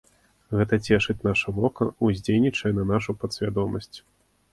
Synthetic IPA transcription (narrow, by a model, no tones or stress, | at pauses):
ɣɛt̪ɐt͡sʲɛʂɨt͡sʲnaʂɐvɔkɐuzʲd͡zʲelʲnʲit͡ʂɐjɛnɐnaʂupɐt̪sʲvʲad̪ɔmɐsʲt͡sʲ